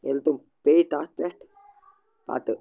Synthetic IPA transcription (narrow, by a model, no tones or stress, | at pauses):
elt̪um | peːʈasɛʈ | pa̰t̪ɨ